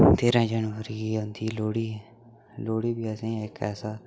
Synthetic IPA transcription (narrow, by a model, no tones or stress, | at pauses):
t̪eːɾãːd͡ʒənʋəɾiːɦõnd̪iːloːɽiː | loːɽiːbiːəsẽːekɛ̰ːsaː